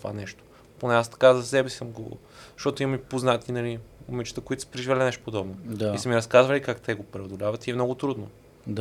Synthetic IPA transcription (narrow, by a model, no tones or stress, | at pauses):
t̪va̰nɛʃt̪o̥ | ponɛast̪ɐ̥kazɐsɛbɛsisəmɡo̰ | ʃt̪ɔt̪ʊimɐmipoznat̪inɐliomit͡ʃt̪əkoit̪ʊ̥sə̥pɾɛʒivlʲɛnɛʃt̪oʊpod̪ɔbnod̪aisəmiɾɐskazvɐlʲikakt̪ɛɡopɾɛod̪olʲavət̪iɛmnɔɡʊt̪ɾud̪no | d̪